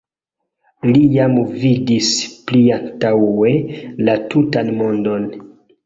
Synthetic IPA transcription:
lijamvidispliantawe̞latutanmo̞ndo̞n

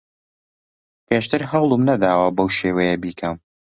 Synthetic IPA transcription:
pʰeːʃt̪ɨɾɦɐwlˠɨmnɐd̪aːwɐbɐwʃeːwɛjɛbiːkʰɐm

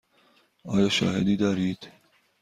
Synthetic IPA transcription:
ɒːjɒːʃɒ̰ːhed̪iːd̪ɒːɾiːd̪̥

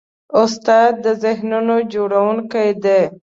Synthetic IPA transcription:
ʊst̪ɑd̪̚ːəzɪɦnunod͡ʒoɽawunkajd̪e

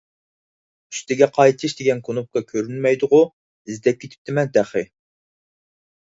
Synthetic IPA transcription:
y̥st̪ɪɡʲɛqʰɑjt̪ʰiʃd̪eɡʲɛnkʰonup̚kɑkʲʰøɾynmɛjd̪ʊʁʊ | izd̪ɛp̚kʲʰet̪ʰɪ̥p̚t̪ɪmɛnt̪ʰæχɪ

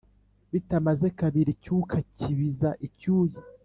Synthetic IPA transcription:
βitamaze̞kaβiɾicukʰaciβizaʔicuːji

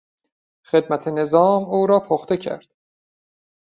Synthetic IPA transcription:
xe̞d̪̚mæt̪ʰene̞zɒːmuːɾɒːpʰoxt̪e̞cʰæ̰ɾd̪̥

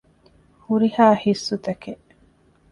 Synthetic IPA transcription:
huɾihaːhisːut̪ɐkeʔ

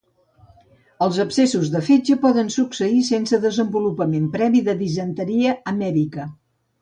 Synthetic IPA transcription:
əlˠzəpsesuzðəfed͡ʒəpɔðənsuksəisensəðəzəmbulupəmempɾɛβiðəðizənt̪əɾiəəmɛɾikə

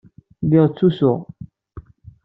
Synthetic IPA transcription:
lɪʁt͡sːusʊʁ

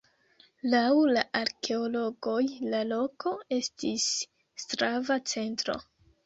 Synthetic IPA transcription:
lawlaʔaɾkʰe̞olo̞ɡo̞jlalo̞ko̞e̞stisː | tɾavat͡se̞ntɾo̞̰

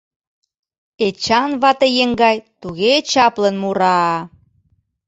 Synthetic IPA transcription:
et͡ɕɑnβɑt̪ejeŋɡɑjt̪uɣet͡ɕɑplənmuɾɑ

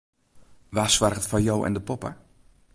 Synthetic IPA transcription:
ʋaːsʋarɣətfajɔwʔɛ̰ndəpɔpə̰

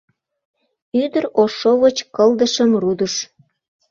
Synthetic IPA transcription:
yd̪əɾoʃoβət͡ɕkəld̪əʃəmrud̪əʃ

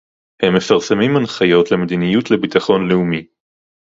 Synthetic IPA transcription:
hemːe̞faʁsemimanχajo̞tle̞med̪inijut̪le̞bit̪aχo̞nleumi

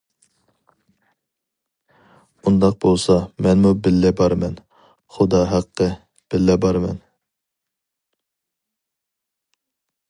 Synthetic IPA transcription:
und̪ɑq̚bolˠsɑmɛnmubɪlːɛbɑɾmɛn | χʊd̪ɑɦæqʰːə | b̥ɪlːɛbɑɾmɛ̰n

